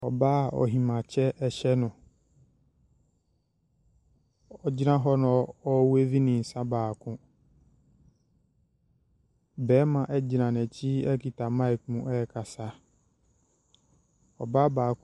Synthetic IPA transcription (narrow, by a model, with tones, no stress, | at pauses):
ɔ˨baː˦˨ɔ̰˨ɦĩ˨mã˨t͡ɕʰɛ˦ɛ˨ɕɛ˦nʊ̃˨ | ɔ˦d͡ʑi˦nã˦ɦɔ˦nɔ̃˨˦ɔ˦we˦vi˦nɪ̃˨n̩˨sã˦baː˨kʰʊ̃˦ | bɛː˨˦mã˨ʔɛ˦d͡ʑi˨nã˨nɛ˨t͡ɕʰi˦ɛ˦ki˨tʰa˨mã˦i˨k̚mũ˨ʔɛ˦jɛ˨kʰa˨sa˦ | ɔ̰˨ba˦baː˨k